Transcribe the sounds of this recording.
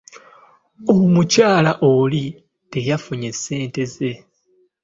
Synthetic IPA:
omucaːlaʔoli | te̞jafuɲe̞sːe̞ːnte̞ze̞

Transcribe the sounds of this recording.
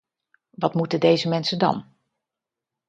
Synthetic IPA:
ʋɑtmutədejzəmɛnsəndɑ̰n

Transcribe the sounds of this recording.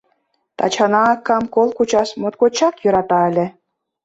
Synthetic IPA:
t̪ɑ̰t͡ɕɑnɑːkːɑmkolkut͡ɕɑʃmot̪kot͡ɕɑkjø̆ɾɑt̪ɑə̆lʲĕ

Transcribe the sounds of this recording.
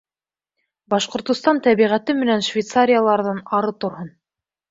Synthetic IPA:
bɑʃqŏɾt̪ŏst̪ɑnt̪æβiʁæt̪ɘmɘ̆nænʃvʲejt̪saɾʲɪjalˠɑɾðɤnɑɾɤt̪ŏɾhɤn

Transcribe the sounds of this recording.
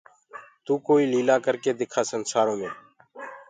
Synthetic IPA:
t̪uːkoːiːliːlaːkəɾkeːd̪ɪkʰaːsənsaːɾõːmẽː

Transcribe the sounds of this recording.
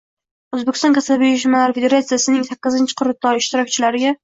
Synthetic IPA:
ɵzbekʲɪ̥st̪ɒ̃nkʰasabejɪʃ̬ɪmalaɾfed̪eɾat̪sɨjasɪnɪŋsakʲːɪzɪnt͡ʃʰɪ̥qʰʊɾɪt̪ːɒjɪʃt̪ɪɾɒk̚ʲt͡ʃʰɪlaɾɪɡʲa

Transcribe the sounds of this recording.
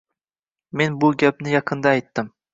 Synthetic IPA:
me̞nbʊɡʲap̚nɪjɑqʰɨnd̪ɑːjt̪ːɪm

